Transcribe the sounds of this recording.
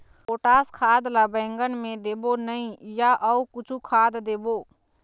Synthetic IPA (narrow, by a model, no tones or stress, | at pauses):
oːʈaːskʰaːd̪labɛ̃ːŋɡənmẽd̪eːbonəĩjaʔəukʊt͡ʃʰukʰaːd̪d̪eːboː